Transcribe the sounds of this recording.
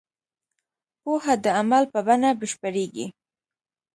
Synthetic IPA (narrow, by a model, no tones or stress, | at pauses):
pohad̪əamalpəbanabəʃpəɾeɡḭ